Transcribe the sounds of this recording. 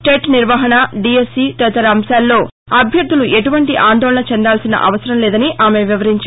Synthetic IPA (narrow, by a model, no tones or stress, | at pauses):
ʈeʈniɾʋɐɦɐnɐɖiesiːt̪ɐt̪ɐɾɐːmsaːlːo̞ː | ɐbʱjɐɾd̪ʱuluʔe̞ʈuʋɐɳʈiʔaːnd̪ɔːlɐɳɐt͡ʃɛnd̪aːlsinɐ̰ʔɐ̰ʋɐsɐɾɐmlɛːd̪ɐniʔaːme̞ʋiʋɐɾiɲt͡ʃa